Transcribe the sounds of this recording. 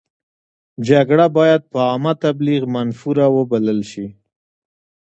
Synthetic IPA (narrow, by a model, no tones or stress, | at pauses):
d͡ʒaɡɽabɑjad̪̚pəɑmat̪abliɣmanfuɾawəbaləlʃi